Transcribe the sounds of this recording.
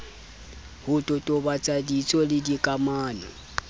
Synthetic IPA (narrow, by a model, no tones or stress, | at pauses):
hʊtʼɔtʼɔbat͡sʼadit͡sʼɔlɪdikʼamaːnɔ